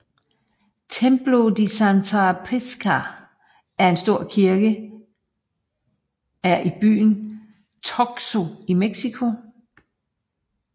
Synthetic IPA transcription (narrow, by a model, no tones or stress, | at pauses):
t͡sʰemb̥lo̝d̥isænt͡sʰɑpʰeskʰæ | æɐe̝nsd̥o̝ɐ̰kʰiɐɡ̥ə | æɐʔib̥y̰ːn | t͡sʰɒɡ̥so̝imeɡ̥sikʰo̝